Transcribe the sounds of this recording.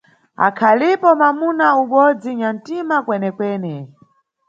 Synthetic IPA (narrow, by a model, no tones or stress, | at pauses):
a̰kʰalipɔmamunauɓɔd͡ziɲan̩timakwɛnɛkwɛnɛ